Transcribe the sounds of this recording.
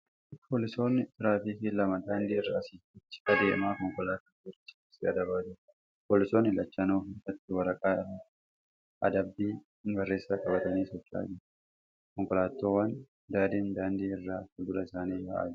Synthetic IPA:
pʰoːlɪso̞ːnːɪt̪ɪɾaːfiːkɪlɐmɐd̪aːnd̪iːɪrːaːsiːɪt͡ʃːɪ̥ɐd̪eːʔmaːkɔŋkɔlaːt̪ːoːt͡ʃːɪ̥sɪɐ̰d̪ɐbaːd͡ʒɪɾ | poːlɪso̞ːnːɪlɐt͡ʃːɐnoːkeːfɐt̪ːɪwɐɾɐkʼaː | ʔɐ̰d̪ɐbːiː | ɪŋɡɐrːeːsːaːkʼɐbɐt̪ɐniːsɔt͡ʃːa̰ːd͡ʒɪɾ | kɔŋkɔlaːt̪ːo̞ːwɐn | d̪aːd̪iːnd̪aːnd̪iːɪrːaːfɪɡʊlɐɪsaːniːbɐʔa̰ːd͡ʒɪ

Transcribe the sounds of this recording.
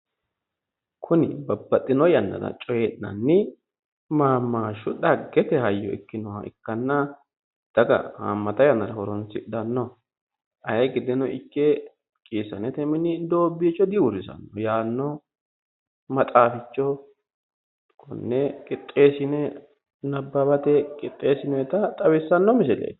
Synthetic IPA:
kʰʊnɪ̰bɐbːɐt̪ʼːɪnɔjɐnːɐ̰d̪ɐ̰t͡ʃʼɔjɛnːɐnːɪ | maːmːaːʃʊɗɐɡɛt̪ɛhɐjːɔ̰ɪ̰kːɪnɔwaɪ̰kːɐnːɐ | d̪̥ɐɡɐ̰ha̰mːɐt̪ɐjɐnːɐɾɐhɔɾɔnsɪd̪ɐnːɔ | ʔɐjɐɡɪd̪ɪnɔʔɪkːɛ | kʼiːsɐnɛt̪ɛmɪnɪd̪o̞ːbːiːt͡ʃːɔd̪ɪwʊɾɪsɐ̰nːɔ̰jaːnːɔ | mɐt̪ʼaːfɪt͡ʃːɔ | kʰɔ̰nːɛkʼɪt̪ʼːe̞ːsɪnɛ | nɐbːɐbɐt̪ɛkʼɪt̪ʼːe̞ːsɪnɔɛt̪ɐt̪ʼɐwɪsːɐnːɔmɪsɪlḛː

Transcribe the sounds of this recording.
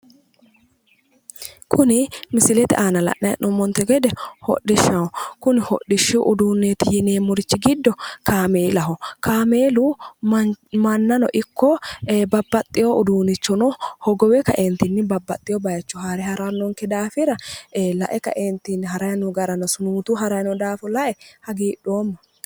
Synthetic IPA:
kʰʊnɪmɪsɪlɛt̪ɛ̰ʔaːnɐlɐ̰ʔnɐjɐ̰ʔʔɔmɔnt̪ɛɡɛd̪ɛhɔ̰ʔɪʃːɐwɔkʊnɪhɔ̰ɗɪʃːɪɔ̰ʔʊd̪uːnːeːt̪ɪjɪneːmːʊɾɪt͡ʃːɪɡɪd̪ːɔkʰaːmeːlɐɦɔkaːmeːlu | mɐnːɐnɔ̰ʔɪkːɔbɐbːɐt̪ʼːɪjoʔʊd̪uːnɪt͡ʃːɔnɔhɔɡɔwɛkɐʔent̪ɪnːɪbɐbːɐt̪ʼːɪjɔbɐjɐt͡ʃːɔhaːɾɛhɐɾanːɔŋkɛd̪aːfɪɾɐlɐ̰ʔɛkɐ̰ʔent̪ɪnːɪhɐɾɐjɐnɔɡɐɾɐnɐsʊnuːt̪uːɦɐɾɐjnɔd̪aːfɔlɐʔɛhɐɡiːɗːoːmːɐ

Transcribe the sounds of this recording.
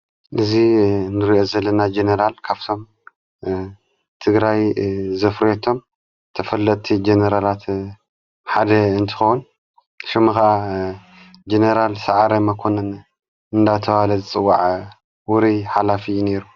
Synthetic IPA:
ʔɨzinɨɾiʔozɐlːɐnad͡ʒenɐɾalkʰaβt̪ʰo̞m | t̪ʰɨɡɾajzɐfɾet̪ʰo̞m | t̪ʰɐfɐlːɐt̪ʰːid͡ʒenɐɾalat̪ | ħad̪ɐɨnt̪ʰɨ̥xowun | ʃɪmɨxaʔa | d͡ʒeneɾalsaʕaɾɐmɐkʰonɐn | ɨnd̪at̪ʰɐwalɐzɨt͡sʼɨwːaʕ | wʊɾiħalafine̞ɾu

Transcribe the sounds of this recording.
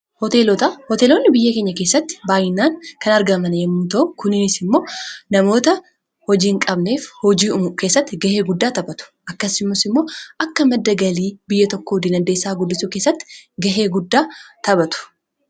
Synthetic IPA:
hɔt̪e̞ːlɔt̪ɐhɔt̪eːlo̞ːnːɪbɪjːɐke̞ːɲːɐke̞ːsːɐt̪ːɪ̥baːjɪnːaːŋkɐnɐɾɡɐmɐnɐjɛmːuːt̪ɐʔʊkʊnɪnɪsɪmːo̞ːnɐmo̞ːt̪ɐ | hɔd͡ʒiːŋkʼɐbne̞ːfhɔd͡ʒiːmke̞ːsːɐt̪ːɪɡɐheːɡʊd̪ːaːt̪ɐbɐt̪ʊ̥ʔɐkːɐsɪmːʊsɪmːo̞ːʔɐkːɐmɐd̪ːɐɡɐliːbɪjːɐt̪ɔkːoːd̪iːnɐnd̪eːsːaːɡʊd̪ːɪsʊke̞ːsːɐt̪ːɪ̥ɡɐɦe̞ːɡʊd̪ːaːt̪ɐbɐt̪ʊ̥

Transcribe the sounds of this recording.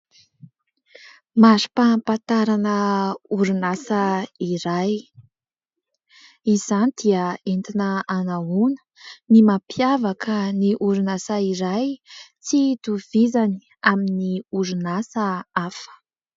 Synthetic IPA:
mazi̥papant̪aɾanəuɾunasəiɾaj | iz̥anid̪̥iəent̪inəanaunə̥nimapjavakʰəniʔuɾunasaiɾajt͡sid̪uv̥izani | aminiuɾunasəafə̥

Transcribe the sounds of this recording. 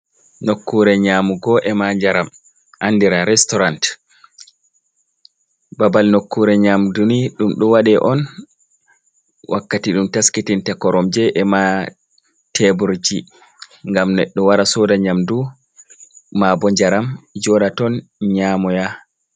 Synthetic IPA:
nokːuɾɛɲaːmuɡɔʔɛmaɲd͡ʒaɾam | ʔanːdiɾaɾɛstɔɾant | babalnokːuɾɛɲamduniɗumɗɔwaɗɛʔɔn | wʔakːatiɗumtaskitintakɔɾɔmd͡ʒɛʔɛma | tʰɛbuɾd͡ʒi | ŋɡamnɛɗːɔwaɾasɔdaɲamdu | maːbɔɲd͡ʒaɾamd͡ʒɔɗatɔnɲaːmɔja

